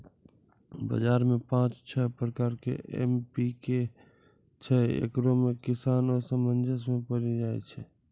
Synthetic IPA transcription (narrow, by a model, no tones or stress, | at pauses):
bə̰d͡ʒaːɾmẽpãt͡ʃt͡ʃʰɛpɾəkaːɾkḛʔḛmpike | t͡ʃʰɛḛkɾomẽkɪsaːnɔɾsəmənd͡ʒʱəsmẽpəɾid͡ʒaːɛ̰t͡ʃʰɛ